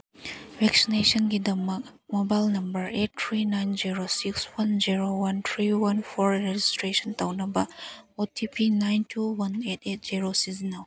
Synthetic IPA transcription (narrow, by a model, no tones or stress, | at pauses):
vɛksineʃə̃nɡidɐmak̚mobajlnɐ̃mbəɹet̚t̪ʰɹinãjnd͡ʒiɹosikswɐnd͡ʒiɹowɐ̃nt̪ʰɹiwɐ̃nfɔɹɹed͡ʒistʰɹeʃə̃ntawnəbaotʰipʰinãjntʰuwɐnetet̚ziɹosiznal